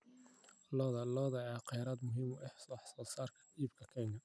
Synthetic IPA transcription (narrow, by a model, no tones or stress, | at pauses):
lɔːðɐlɔːðɐʕɛqɛjɾaːd̪mʊɦiːmɔʔɛħsɔħsɔːsaːrkʰɐ̥iːb̚kʰɐkʰɛːŋʰɐ